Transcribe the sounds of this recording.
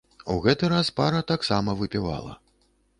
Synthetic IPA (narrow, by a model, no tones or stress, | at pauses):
uɣɛt̪ɨɾaspaɾɐt̪aksamɐvɨpʲiva̰lˠɐ̰